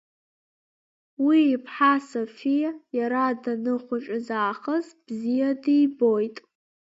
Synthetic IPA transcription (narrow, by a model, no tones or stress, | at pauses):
wiːpʰħasofijajaɾadanɨχʷʊʈ͡ʂʼɪzaːχəzb̥zijadijbojtʼ